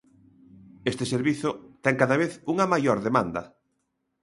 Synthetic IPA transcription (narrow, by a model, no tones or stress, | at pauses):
est̪ɪseɾβiθʊt̪ɛŋkaðaβ̞eθuŋɐmajoɾðemãnd̪ɐ̰